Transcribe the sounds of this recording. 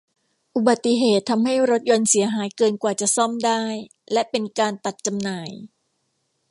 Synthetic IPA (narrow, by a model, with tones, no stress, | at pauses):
ʔu˨˩ba˨˩t̪ːi˧˩ɦeː˨˩t̪ʰːa˧mha˥˩jɾo˦˥t̪̚jo˧nsi˩˦ɐɦaː˩˦jkɤː˧nkwaː˨˩t͡ɕa˨˩ʔsɔ˥˩mdaː˥˩j | lɛ˦˥ʔpe˧nkaː˧nt̪a˨˩t̪̚t͡ɕa˧mnaː˨˩˦j